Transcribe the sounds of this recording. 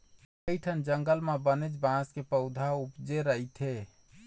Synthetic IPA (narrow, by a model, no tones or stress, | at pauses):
əiʈʰənd͡ʒəŋɡəlmebənet͡ʃbãskepəʊd̪ʱaupd͡ʒeɾəɦit̪ʰe